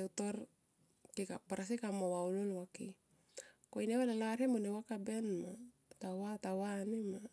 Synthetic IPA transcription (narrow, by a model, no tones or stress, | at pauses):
ut̪ɔr | t̪ika̰paɾas̬ikamawaulɔlwaki | koinewalalarhemɔnɛwakabɛnma | t̪awat̪awanima